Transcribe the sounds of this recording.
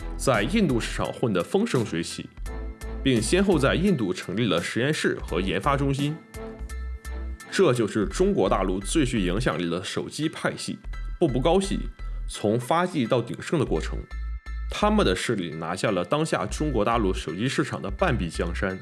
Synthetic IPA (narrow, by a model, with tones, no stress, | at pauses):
t͡sa˥˧ɪi˥˧nt̪u˥˧ʂɻ̩˥˩ʈ͡ʂʰɑ̰˨˩ŋxwə˥˩nd̪ə˧˩fɤ˥ŋʂɤ˥ŋswe˧˥ɪt͡ɕʰḭ˨˩˦pi˥˩ŋɕjɛ˥nxo˥˧ʊt͡sa˥˧ɪi˥˧nt̪u˥˩ʈ͡ʂʰɤ˧˥ŋli˥˩d̪ə˩ʂɻ̩˧˥jɛ˥˧nʂɻ̩˥˩xɤ̰˧˥jɛ˧˥nfa˥ʈ͡ʂʊ˥ŋɕi˥n | ʈ͡ʂɤ˥˧t͡ɕjo˥˧ʊʂɻ̩˥˩ʈ͡ʂʊ˥ŋkwɔ˧˥t̪a̰˥˧lu˥˧t͡swe˥˧ɪɕy˥˩i˧˥ŋɕ̬jɑ˨˩ŋli˥˩d̪ə˩ʂo˨˩ʊt͡ɕi˥pʰa˥˧ɪɕḭ˥˩pu˥˧˩pu˥˩kɑ˥ʊɕḭ˥˩t͡sʰʊ˧˥ŋfa˥t͡ɕi˥˧t̪ɑ˥˩ʊt̪ḭ˨˩ŋʂɤ˥ŋd̪ə˨kwɔ˥˩ʈ͡ʂʰɤ̰˧˥ŋt̪ʰa˥mə˨nd̪ə˩ʂɻ̩˥˧lḭ˥˩na̰˧˥ɕja˥˩lə˩t̪ɑ˥ŋɕja̰˥˩ʈ͡ʂʊ˥ŋkwɔ˧˥t̪a̰˥˧lu˥˩ʂo˨˩ʊt͡ɕi˥ʂɻ̩˥˩ʈ͡ʂʰɑ˨˩ŋd̪ə̰˦pa˥˩npi˥˩t͡ɕjɑ˥ŋʂa˥n